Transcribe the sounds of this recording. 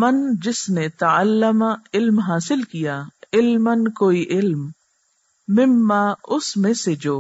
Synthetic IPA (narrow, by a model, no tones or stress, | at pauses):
mɐnd͡ʒɪsnet̪ɐəlːəmaɪlmɦaːsɪlkijaɪlmənkoːiʔɪlmː | ɪmːaːʊsmẽsed͡ʒoː